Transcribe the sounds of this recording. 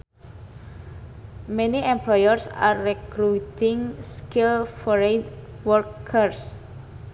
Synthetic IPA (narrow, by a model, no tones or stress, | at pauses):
mɛniɛ̃mplɔjərsa̰ːɛkɾut̪iŋskilfɔɾed | wɔɾkʰəɾs